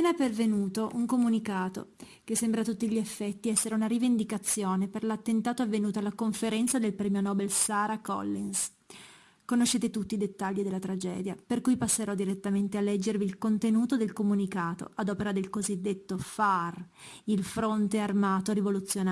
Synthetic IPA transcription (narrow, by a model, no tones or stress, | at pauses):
apeːnapervenuːt̪oʔuŋkomunikaːt̪o̰kesːembɾat̪ut̪ːiʎiefːɛt̪ːiɛsːeɾeunaɾivend̪ikat̪sːjoːneperlat̪ːent̪aːt̪oavːenuːt̪oalːakoɱfeɾɛnt̪sad̪elpɾɛːmjonɔːbelsaːɾakɔ̰lːins | konoʃːeːt̪et̪ut̪ːid̪et̪ːaʎːid̪elːat̪ɾad͡ʒɛ̰ːd̪japerkujpasːeɾɔd̪iɾet̪ːament̪ealːɛd͡ʒːerviːlkont̪enuːt̪od̪elkomunikaːt̪o̰ad̪ɔːpeɾad̪elkozid̪ːet̪ːofar | ilfɾont̪earmaːt̪oɾivolut̪sːjona